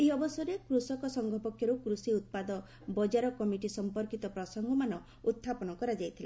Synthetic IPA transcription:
eɦiɔbɔsɔɾekɾusɔkɔsɔŋɡʱɔpɔkʰjɔɾukɾusiut̪̚pad̪ɔ | bɔd͡ʒaɾɔkɔmiʈisɔmpɔɾkit̪ɔpɾɔsɔŋɡʱɔmanɔ | ut̪ʰːapɔnɔkɔɾad͡ʒajt̪ʰila

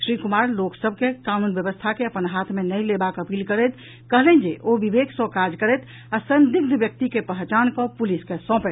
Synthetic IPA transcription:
sɾikumaɾloksəb̚ʱkekanunbjəbəst̪ʰakeəpənɦat̪ʰmenəjlebakəpilkəɾɛt̪ʰ | kəɦlɛnd͡ʒeʔobibeɡsə̃kad͡ʒkəɾɛt̪ʰ | asənd̪iɡ̚d̪ʱbjək̚t̪ikepəɦt͡ʃankɔ̃puliskesɔ̃pɛt̪

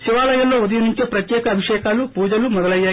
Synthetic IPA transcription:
ʃiʋaːlɐjɐmlo̞ːod̪ɐjunuɲt͡ʃipɾɐt̪jɛːkɐːbʱiʂɛːkaːlupuːd͡ʒɐlumɔd̪ɐlɐjːaː

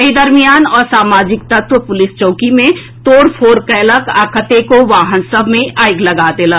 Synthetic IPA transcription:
ɐɦid̪əɾmijaːnɔːɾsaːmaːd͡ʒɪk̚t̪ət̪wpʊlɪst͡ʃɔːkimẽ | t̪oːɾpʰoːɾkɛːləkaːkʰət̪ekoʋaːɦənsəbʱmẽʔaːɪɡlɐɡaːd̪elə

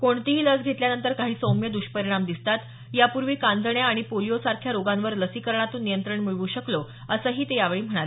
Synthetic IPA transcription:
koɳt̪iɦiːləd͡zɡʱet̪ljanənt̪əɾkaɦiːsomjəd̪uɕpəɾiɽ̃amd̪ist̪at̪ | japuɾʋiːkand͡zəɳjaːɽ̃ipolijosaɾkʰjaɾoɡanʋəɾləsiːkəɾɳat̪uːnːijənt̪ɾəɳmiɭʋuːɕəklo | əsəːɦiːt̪ejaʋeɭiːm̤əɽ̃ale

